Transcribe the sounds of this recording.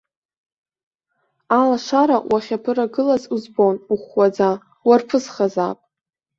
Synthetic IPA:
alaʂaɾawʔaχʲapʰɨɾaɡɨlazuzbonuχʷwad͡za | warpʰɨzχaza̰pʼ

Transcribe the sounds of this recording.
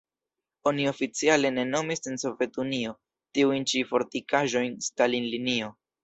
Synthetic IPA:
o̞nio̞fit͡siale̞ne̞no̞misenso̞vje̞tunio̞ | tiujnt͡ʃifo̞ɾtikaʒo̞jnstalinlinio̞

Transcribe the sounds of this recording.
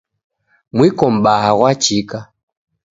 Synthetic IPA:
mwikɔm̩ɓaaɣwat͡ʃika

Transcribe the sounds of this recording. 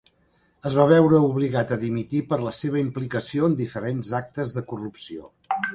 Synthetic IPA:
əzβaβɛwɾəuβliɣat̪əðimit̪ipəɾləseβ̞əimplikəsioənd̪ifəɾenzak̚t̪əzðəkurupsio̰

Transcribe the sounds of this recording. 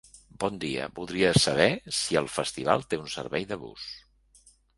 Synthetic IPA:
bɔnd̪iə̰buðɾiəsəβ̞ɛsiəlˠfəst̪iβ̞alˠt̪eunsə̰ɾβɛjðəβṵs

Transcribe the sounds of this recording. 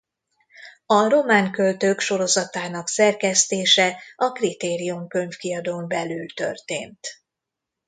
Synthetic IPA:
ɒro̞maːŋkø̞lt̪økʃo̞ɾo̞zɒt̪aːnɒksɛrkɛst̪eːʃɛɒkrit̪eːɾijumkø̞ɲfkiɒd̪oːmbɛlylt̪ø̞̰rt̪eːnt̪

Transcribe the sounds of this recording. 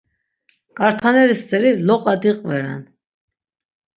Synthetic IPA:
kʼaɾt̪ʰanɛɾist͡sʼɛɾilɔqʼɑd̪iqʼvɛɾɛ̰n

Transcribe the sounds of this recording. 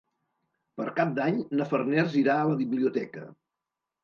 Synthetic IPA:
pəɾkap̚d̪aɲnəfərnɛrziɾaələβiβliut̪ɛkə̰

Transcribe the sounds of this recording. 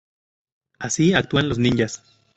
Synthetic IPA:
asiak̚t̪uanlos̬ninjas

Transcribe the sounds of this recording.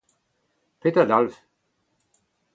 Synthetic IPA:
pʰetəd̪alf

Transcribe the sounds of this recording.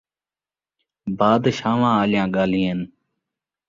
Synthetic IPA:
baːd̪ʃaːʋãːaːljãːɠaːlĩːɦən

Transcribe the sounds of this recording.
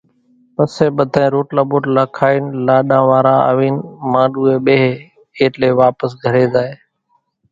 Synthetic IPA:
pəseːɓəd̪ʱaːẽːɾoːʈlaːboːʈlaːkʰaːiːnlaːɗãːʋaːɾaːə̰ʋiːnmãːɗuːeːɓeːɦe | eːʈleːʋaːpəsɡʱəɾeːzaːeː

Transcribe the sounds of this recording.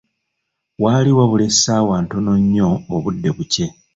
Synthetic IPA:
waːliwaβule̞saːwaːntunoɲːo̞ːβudːe̞βuce̞

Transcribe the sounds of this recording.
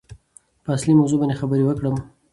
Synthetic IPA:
pəaslimawzubɑnexabəɾewəkɽəm

